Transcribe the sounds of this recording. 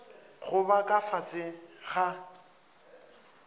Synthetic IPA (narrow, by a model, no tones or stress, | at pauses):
ɣʊbakʼafat͡sʼɪɣa